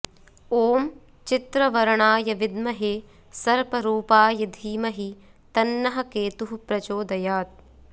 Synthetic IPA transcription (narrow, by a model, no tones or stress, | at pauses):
oːm | t͡ʃit̪ɾɐʋɐɾɐɳaːjɐʋid̪mɐɦeː | sɐɾpɐɾuːpaːjɐd̪ʱiːmɐɦi | t̪ɐnːɐɦɐ̆keːt̪uɦupɾɐt͡ʃoːd̪ɐjaːt̪̚